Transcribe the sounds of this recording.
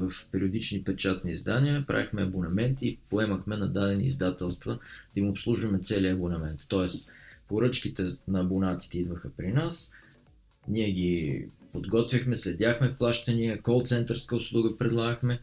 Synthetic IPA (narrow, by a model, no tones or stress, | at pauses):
vɐfpɛɾiod̪it͡ʃnipɛt͡ʃat̪nizd̪aniəpɾa̰vixmɛɐbonɐmɛnt̪iːpoɛməxmɛnɐd̪ad̪ɛnḭːzd̪at̪ɛlˠst̪vəd̪̥ɐimopslˠuʒvɐmɛt̪sɛliɐbonɐmɛnt̪ːɔɛspoɾɤt͡ʃkit̪ɛnɐːbonat̪i̥t̪ɛid̪vəxəpɾinas | niɛɡipod̪ɡɔt̪vʲjəxmɛslɛd̪ʲaxmɛfplˠaʃt̪ɐniəkɔlˠt̪sɛnt̪əɾskəʊslˠuɡəpɾɛd̪lˠaɡəxmɛ